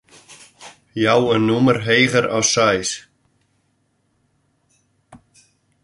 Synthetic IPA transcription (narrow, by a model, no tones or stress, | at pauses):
jaːwɛnnuːmaɾ̥ɦeːjɣaɾa̰wsaːjs